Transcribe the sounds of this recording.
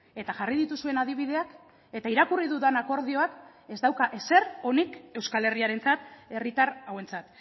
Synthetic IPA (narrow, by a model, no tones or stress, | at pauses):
e̞t̪aʝarið̞it̪usue̞nað̞iβ̞ið̞e̞ak | e̞t̪aiɾakuriðuðanako̞ɾð̞io̞ake̞zd̪awkaʔe̞se̞ɾo̞nike̞wskale̞riaɾe̞nt͡sat̪e̞rit̪aɾawe̞nt͡sat̪